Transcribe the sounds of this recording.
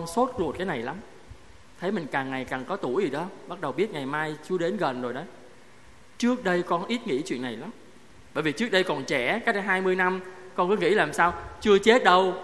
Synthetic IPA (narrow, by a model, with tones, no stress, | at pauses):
ɔ˧nso˦˥t̚lu˨˩t̚ka˨˦na˨˩jla˨˦m | t̪ʰə˨˦jmï˨˩ŋ̟kaː˨˩ŋŋa˨˩jkaː˨˩ŋkɔ˨˦t̪u˧˩jzi˨˩ɗə˨˦ɓa˦˥t̚ɗə˨˩wɓi˦˥ət̚ŋa˨˩jmaː˧jt͡ɕɨ˧əɗe˨˦nɣə˨˩nzo˨˩jɗə˨˦j | t͡ɕɨ˦˥ək̚ɗə˧jkɔ˧nʔi˦˥t̚ŋḭ˧˥t͡ɕwḭ˧˨ənːa˨˩jla˨˦m | ɓəː˧˨jvi˨˩t͡ɕɨ˦˥ək̚ɗə˧jkɔ˨˩nt͡ɕɛ˧˩ka˦˥k̚ɦaː˧jmɨ˧əjna˧mkɔ˧nkɨ˨˦ŋḭ˧˥laː˨˩msaː˧wt͡ɕɨ˧ət͡ɕe˦˥t̚ɗə˧w